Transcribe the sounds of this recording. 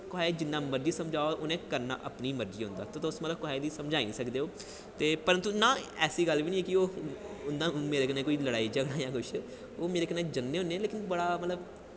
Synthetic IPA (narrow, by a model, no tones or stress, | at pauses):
kʊɦaːeːd͡ʒɪnːãːməɾd͡ʒiːsəmd͡ʒaːoʔʊnẽːkəɾna̰ːʔəpniːməɾd͡ʒiːɦʊ̃nd̪a̰ːt̪oːt̪ːʊsmət̪ləbkʊɦaːed̪iːsəmd͡ʒaːĩːsəkd̪eːoː | t̪eːpəɾənt̪uːnãːɛːsiːɡəlʋiːnĩːeːkɪoːʊnd̪ãːmeːɾeːkənẽːkoːiːləɽaːiːd͡ʒəɡɽãːjãːkʊʃʰ | oːmeːɾeːkəneːd͡ʒənːeːɦʊ̃nːeɛ̃ːleːkɪnbəɽaːmət̪ləb